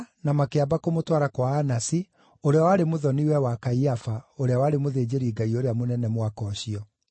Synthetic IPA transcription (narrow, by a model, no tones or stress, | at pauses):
namakeabakomotwaɾakwaːnasi | oɾeawaɾemoðɔniwɛwakaiafaoɾeawaːɾemoðeːd͡ʑeɾiːɡaioɾeamonɛnɛmwakɔɕiɔ